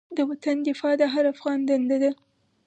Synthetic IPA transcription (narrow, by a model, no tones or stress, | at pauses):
d̪əwat̪and̪ɪfɑd̪əɦaɾafɣɑnd̪and̪ad̪a